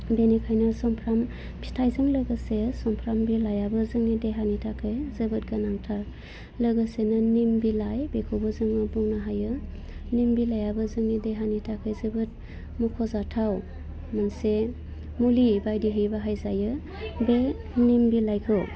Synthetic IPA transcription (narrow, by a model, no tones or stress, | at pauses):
benikʰajnɯsɔmpʰɾam | pʰi̥stʰajzɯŋlɯɡɯsesɔmpʰɾambilajabɯzɯŋnideɦanitʰakʰɯjzɯbɯt̚ɡanaŋtʰaɾ | ləɡɯsenɯnimbilajbekʰowbɯzɯŋɯbɔŋnaɦajɯ | nimbilajabɯzɯŋnideɦanitʰakʰɯjzɯbɯt̚ | mukʰɔzatʰaw | manse | mulibajdiɦibaɦajzajɯ | be | nimbilajkʰɯw